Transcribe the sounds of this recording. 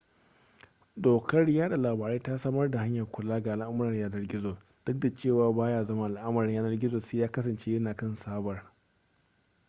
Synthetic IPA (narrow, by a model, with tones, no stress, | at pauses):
doː˨kɐ˦rjaː˦da˨laː˨baː˨ɾeː˦ta˦sɐ˦mɐ˦rda˨ha˦ɲjɐ˨rkʷʊ˨laː˦ɡa˨ʔa˨lʔa˦m˦ɾɐ˨jaː˦nɐ˦rɡʲɪ˦zoː˨ | d̥ʊ˦k̚da˨t͡ʃeː˦˨waː˨baː˦jaː˦zɐ˦ma˦ʔa˨lʔa˦mɐ˨ɾɪ˨˦jaː˦nɐ˦rɡʲɪ˦zoː˨seː˦jaː˦kɐ˦s̬ɐ˨nt͡ʃe˦jɐ˦naː˨kɐ˦nsaː˦bɐ˨r